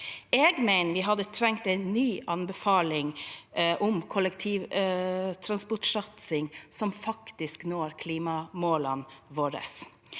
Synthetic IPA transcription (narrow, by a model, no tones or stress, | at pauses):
ɛɡmæɪnəʋɪːɦɑd̪ət̪ʰɾɛŋkt̪ɛɪnːyːʔɑnbɛfɑːlɪŋʔʊmkʰɔlɛkt̪ʰiːʋ | t̪ʰɾɑnspɔʈʂɑt̪sɪŋsɔmfɑkt̪ɪsknoːɾkʰliːmɑmoːlɑnʋoːɾə̰s